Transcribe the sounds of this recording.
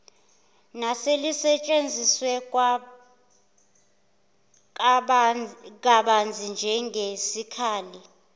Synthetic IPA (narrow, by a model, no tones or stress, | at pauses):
naselisɛt͡ʃʼend͡zʱiswɛ | k̬aɓand͡zʱind͡ʒʱɛŋesikʰaːli